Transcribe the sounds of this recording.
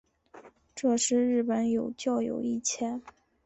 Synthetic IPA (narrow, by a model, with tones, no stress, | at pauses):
ʈ͡ʂɤ˥˧ʂɻ̩˥˧ɻɻ̩˥˩pə˧˥˦njo˨˩ʊt͡ɕjɑ˥˩ʊjo̰˨˩ʊi˥˩t͡ɕʰjɛ˥˩n